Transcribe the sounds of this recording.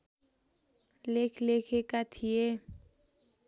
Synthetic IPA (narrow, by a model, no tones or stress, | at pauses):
lekʰlekʰekat̪ʰie